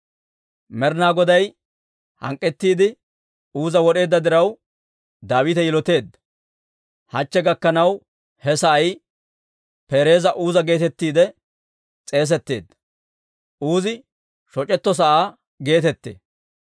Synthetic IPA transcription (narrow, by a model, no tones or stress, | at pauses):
mɛɾnaːɡɔd̪ɐj | hɐ̰ŋkʼːɛt̪ːiːd̪ɪ | uːzɐwɔɗe̞ːd̪ːɐd̪ɪɾɐw | d̪aːwɪt̪ɛjɪlɔt̪e̞ːd̪ːɐ | hɐt͡ʃːɛɡɐkːɐnɐw | hɛsɐɐj | peːɾe̞ːzɐʔuːzɐɡe̞ːt̪ɛt̪ːiːd̪ɛ | t͡sʼe̞ːs̬ɛt̪ːe̞̰ːd̪ːɐ̥ | ʔuːzɪ | ʃɔt͡ʃʼɛt̪ːɔs̬ɐʔaː | ɡe̞ːt̪ɛt̪ːḛː